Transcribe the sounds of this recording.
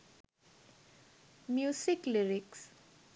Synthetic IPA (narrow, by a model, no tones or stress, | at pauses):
mjusikliɾiks